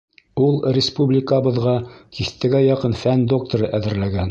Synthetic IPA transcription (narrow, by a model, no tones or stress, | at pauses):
ulˠrʲɪspublʲɪkəbɤ̆ðʁɑkiθt̪ɘ̆ɡæjɑqɤnfænd̪o̞k̚t̪ŏɾɤʔæðɘ̆ɾlæɡæn